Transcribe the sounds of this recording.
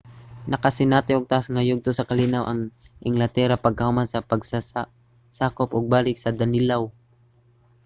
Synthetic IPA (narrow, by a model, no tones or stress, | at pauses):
nɐkɐsɪnaːt̪ɪʔoɡ̚t̪aʔasŋɐjʊɡ̚t̪osɐkɐlinawʔɐŋʔɪŋlɐt̪ɛːɾapɐɡ̚kɐhʊmansɐpɐɡsa | saːkopʔoɡ̚baːlɪk̚sɐd̪ɐnɪlaw